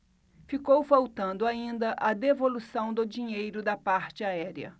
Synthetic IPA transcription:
fikowfawt̪ɐ̃nd̪ʊaĩnd̪ɐʔɐd̪evolusɐ̃w̃d̪ʊd͡ʒĩɲejɾʊd̪ɐpaɾt͡ʃɪaɛɾiɐ̰

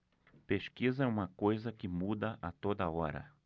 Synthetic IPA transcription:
peʃkizɐɛũmɐkojzɐkɪmud̪ɐʔat̪od̪ɐɔɾɐ̰

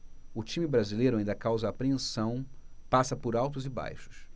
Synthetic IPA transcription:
ʊt͡ʃĩmɪbɾazilejɾʊaĩnd̪ɐkawzɐːpɾeẽsɐ̃w̃pasɐpʊɾawt̪ʊzɪba̰jʃʊ̥s

